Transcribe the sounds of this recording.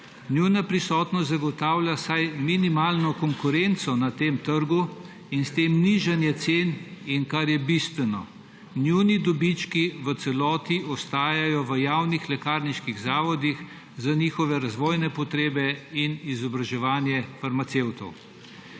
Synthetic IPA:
njunapɾisɔːt̪nɔzaɡɔt̪aːwlʲjasajminimaːlnɔkɔŋkuɾent̪sɔnat̪eːmt̪əɾɡu | inst̪emniʒanjɛt̪seːninkaɾjɛbist̪ʋɛnɔ̰ | njunid̪ɔbit͡ʃkiʋət̪sɛlɔːt̪iɔst̪aːjajɔʋəjawnixlɛkaːɾniʃkiɣzaːʋɔd̪ix | zaniːxɔʋɛɾazʋɔːjnɛpɔt̪ɾeːbɛinizɔbɾaʒɛʋaːnjɛfaɾmat̪sewt̪ɔ̰w

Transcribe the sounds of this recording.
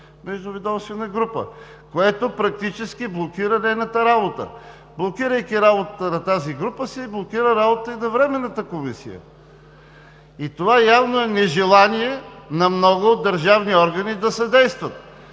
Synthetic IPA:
mɛʒd̪ʊvid̪ɔmst̪vɛnɐɡɾupə̰ | koɛt̪opɾɐk̚t̪it͡ʃɛskiblˠokiɾɐnɛnɐt̪əɾabot̪ə̰ | blˠokiɾəjkʲiɾabot̪ət̪ənɐt̪aziɡɾupəsiblˠokiɾəɾabot̪əinɐvɾɛmɛnːət̪əkomisḭjə̰ | it̪ovajavnoɛnɛʒɛlˠaniɛnɐmnɔɡʊod̪ːɐɾʒavniɔɾɡɐnid̪ɐsɐd̪ɛjst̪vət̪

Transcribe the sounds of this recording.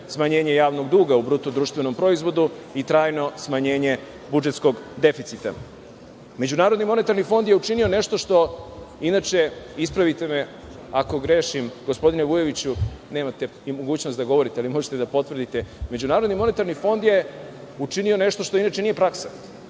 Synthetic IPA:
smaɲe̞ːɲe̞jaːʋno̞ɡd̪uːɡaubɾut̪ud̪ɾuːʃt̪ʋeno̞mpɾo̞izʋo̞d̪uit̪ɾaːjno̞smaɲe̞ːɲe̞ | bud͡ʒe̞t̪sko̞ɡd̪e̞fit̪sit̪a̰ | me̞d͡ʑunaːɾod̪nimo̞net̪aɾnifo̞nd̪jeut͡ʃinio̞ne̞ʃt̪o̞ʃt̪o̞inaːt͡ʃe̞ispɾaʋit̪e̞me̞ | ako̞ɡɾe̞ːʃimɡospo̞d̪ineʋuje̞ʋit͡ɕune̞ːmat̪e̞ | imo̞ɡuːt͡ɕnost̪d̪aɡo̞ʋo̞ɾit̪ealimo̞ʒet̪e̞d̪apo̞t̪ʋrd̪it̪e̞me̞d͡ʑunaːɾod̪nimo̞ne̞t̪aɾnifo̞nd̪je̞ | ut͡ʃinio̞ne̞ʃt̪o̞ʃt̪o̞inaːt͡ʃenije̞pɾaksḁ

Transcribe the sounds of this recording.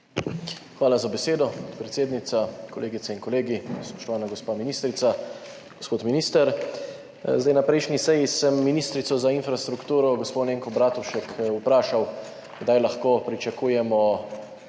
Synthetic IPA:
xʋaːlazabɛseːd̪ɔot̪pɾɛt̪seːd̪nit̪sakɔleːɡit̪sɛinkɔleːɡispɔ̥ʃt̪ɔʋaːnaɡɔspaːminiːst̪ɾit̪sa | ɡɔspoːt̪minist̪ɛɾ | zd̪ajnapɾɛjʃnisɛjisɛmːinist̪ɾit̪sɔzainfɾast̪ɾukt̪uːɾɔɡɔsponeːŋkɔbɾaːt̪uʃɛkupɾaːʃaw | ɡd̪ajlaxkoːpɾit͡ʃakuːjɛmɔ

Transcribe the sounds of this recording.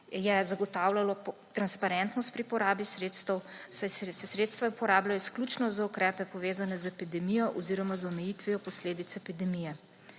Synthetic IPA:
jɛzaɡɔt̪aːwlalɔt̪ɾanspaɾɛnt̪nɔst̪pɾipɔɾaːbisɾeːt̪st̪ɛwssɛsɾeːt̪st̪ʋapɔɾaːblaɔsklut͡ʃnɔzaukɾɛːpɛpɔʋeːzanɛzɛpid̪ɛmijɔʔɔziɾɔmazɔmɛjiːt̪ʋijɔpɔsleːd̪it̪sɛpid̪ɛmijɛ

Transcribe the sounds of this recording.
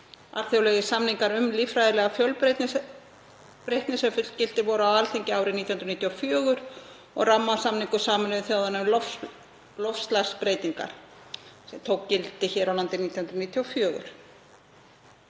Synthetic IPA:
a̰ɾ̥θjowlɛɣɪsamniŋkaɾʏmlifɾajðɪlɛːɣafjœlpɾt̪n | pɾejht̪nɪsɛfʏ̥cɪlt̪ɪvɔɾʏawalt̪ʰejɲcɪaːwɾɪnit̪jhʏnɾnit̪jɔfjœːɣʏɾ̥ | ɔ̰ɣramːasamniŋkʏsaːmɪnvθjoːwðanʏmlɔf | lɔfst̪laspɾeːjt̪iŋka̰ɾ̥ | sɛmt̪ʰowkcɪlt̪ɪçɛːɾawlant̪ɪnit̪jhʏnɾniːt̪jɔfjœːɣʏ̰ɾ̥

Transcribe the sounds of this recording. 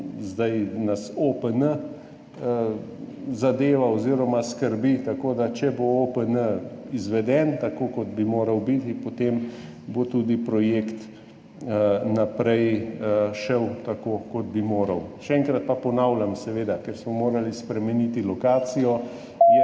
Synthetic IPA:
zd̪ajnasopənə | zad̪eːʋaoziːɾɔmaskəɾbit̪akod̪at͡ʃɛboopənəizʋɛd̪ɛnt̪akokɔd̪bimoːɾɐwbit̪ipot̪em | bot̪uːd̪ipɾɔjeːkt̪ | napɾɛj | ʃɛwt̪akokɔd̪̚bimoːɾɐwʃɛɛŋkɾat̪̚papɔnawlʲjamsɛʋeːd̪akeɾsmɔmoːɾalispɾɛmɛnit̪ilɔkaːsijɔ | jɛ

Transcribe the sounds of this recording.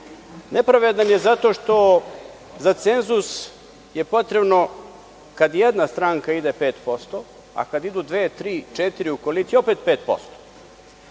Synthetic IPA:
nepɾaʋed̪anjezat̪o̞ʃt̪o̞ | zat̪se̞nzus | jepo̞t̪ɾe̞bno̞ | kad̪jed̪nast̪ɾaːŋkaid̪epeːt̪po̞st̪o̞ | a̰kad̪id̪ud̪ʋet̪ɾiːt͡ʃet̪iɾiukolit̪sio̞pet̪̚peːt̪po̞̰st̪o̥

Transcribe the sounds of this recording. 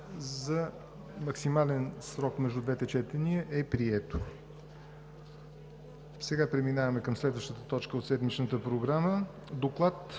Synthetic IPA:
zə | mɐksimalɛnsɾɔkmɛʒd̪ud̪vɛt̪ɛt͡ʃɛt̪ɛniəʔɛpɾiɛt̪o | sɛɡapɾɛminavəmɛkəmslɛd̪vəʃt̪ət̪ət̪ɔt͡ʃkəot̪sɛd̪mit͡ʃnət̪əpɾoɡɾamə | d̪oklˠat̪

